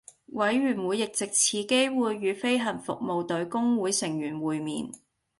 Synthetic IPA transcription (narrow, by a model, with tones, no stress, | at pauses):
wɐ˨˥jɥyː˨˩nwuː˨˧jɪ˨k̚t͡sɪ˨k̚t͡sʰiː˨˧ke˥jwuː˨˧jːyː˨˧fe˥jɦɐ˨˩nfʊ̰˨k̚mo˨wt̪ɵ˨˧˥ɥkʊ˥ŋwuː˨˥jsɪ˨˩ŋjyː˨˩nwuː˨jmḭː˨˩n